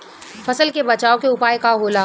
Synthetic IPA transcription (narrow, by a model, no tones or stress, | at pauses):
fɐsəlkebɐt͡ʃaːokeʊpaːjkaɦoːlaː